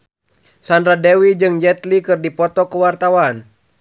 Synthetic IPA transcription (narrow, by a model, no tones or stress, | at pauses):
sandɾadɛwid͡ʒɨŋd͡ʒɛt̪likɨrdipɔt̪ɔkəwart̪awan